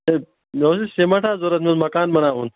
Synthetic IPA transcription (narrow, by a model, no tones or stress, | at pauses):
e | mewsisemɐʈʰaːzoɾɐt̪mezmɐkaːnmɐnaːɦuːn